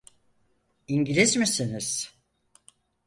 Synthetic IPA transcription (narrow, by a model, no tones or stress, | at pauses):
iɲɟilʲizmisiniz̥